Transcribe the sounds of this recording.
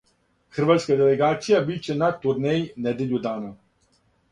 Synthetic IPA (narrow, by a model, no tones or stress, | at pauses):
xəɾʋat̪skad̪ɛlɛɡaːt̪sijabit͡ʃɛnat̪uɾnɛjnɛd̪ɛlʲjud̪aːna